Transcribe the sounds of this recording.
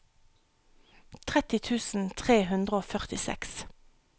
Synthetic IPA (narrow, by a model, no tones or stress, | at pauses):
t̪ʰʁɛt̪ɪt̪ʰʉːsn̩t̪ʰʁeːɦʉnd̪ʁəoːfœʁt̪ɪsɛ̰ks